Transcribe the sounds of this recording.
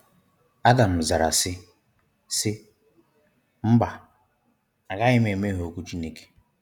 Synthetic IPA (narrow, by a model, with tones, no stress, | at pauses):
a˦da˨m̩˨za˨ɾa̰˨sɪ˦ | sɪ˦ | m̩˦ba˨ | a˨ɣa˦ɪ˦me˨me˦ɦo˨ku˦t͡ʃi˦ne˦ke̥˦